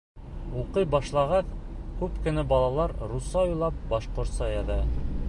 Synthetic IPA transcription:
uqɤjbɑʃlˠɑʁɑθkʉpkɘ̆nɘbɒlˠɑlˠɑɾɾusɑujlˠɑp̚bɒʃqoɾt̪sɑjɑðɤ

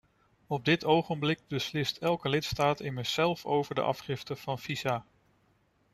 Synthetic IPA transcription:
ɔb̚dɪtʰowχənblɪɡ̚bəslɪstʰɛlˠkəlɪtstaːtɪməsɛlˠfowvəɹdə̰ʔɑ̰fχɪftəv̥ɑnfiza

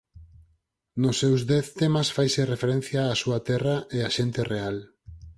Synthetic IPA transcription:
nʊsːewzdɛθt̪emasfajserefeɾẽn̟θjaːsuat̪ɛraʔeaʃent̪ereal

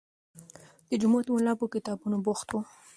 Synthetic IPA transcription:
d̪̥əd͡ʒʊmot̪wolɑpokɪt̪ɑbunoboxt̪wu

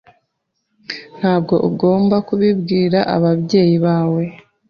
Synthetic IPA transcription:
n̥haːbɡo̞ʔuɡo̞ːmbakuβibɡiːɾaʔa̰βaβɟe̞ːjiβaːwe̞

